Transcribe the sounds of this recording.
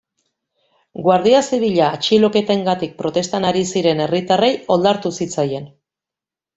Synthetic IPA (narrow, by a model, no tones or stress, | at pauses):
ɡwaɾð̞iasiβiʎaːt͡ʃilo̞ke̞t̪e̞ŋɡat̪ik̚pɾo̞t̪e̞st̪anaɾisiɾe̞ne̞rit̪are̞jo̞ld̪aɾt̪usit͡saje̞n